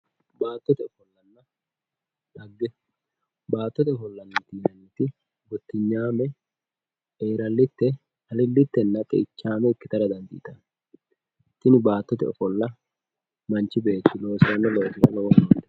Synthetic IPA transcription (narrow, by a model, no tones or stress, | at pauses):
baːt̪ːɔt̪ɛɔfɔlːɐnːɐ | ᶑɐɡːɛ | baːt̪ːɔt̪ɛɔfɔlːɐnːɐt̪iːnɐniːt̪ɪ | ɡɔt̪ːɪɲːaːmɛ | eːɾɐlːɪt̪ːɛ | hɐlɪlːɪt̪ːɛnːɐt̪ʼɛ̰ɪt͡ʃːaːmɛɪkːɪt̪ɐɾɐd̪ɐnd̪ɪ̰t̪ɐn | t̪ːɪnɪbaːt̪ːɔt̪ɛɔ̰fɔlːɐ | mɐnt͡ʃːɪbe̞ːt̪ːɪlo̞ːsɪɾɐnːɐlo̞ːsɪɾɐ̰lɔwɔdoːt̪